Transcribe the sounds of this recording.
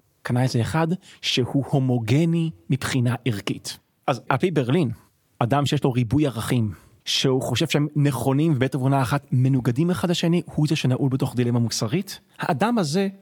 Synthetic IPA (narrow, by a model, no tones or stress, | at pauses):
kanaezeːχadʃehuho̞mo̞ɡe̞nimipχinaʔiʁkit | ʔazʔalpejbeʁlin | ʔadamʃejeʃlo̞ʁibujaʁaχim | ʃeuχo̞ʃe̞v̥ʃeemneχo̞nimvebetavunaːχatme̞nuɡadimeχadlaʃe̞nihuzeʃenaʔulbeto̞χdile̞mamusaʁit | haʔːdamhaze̞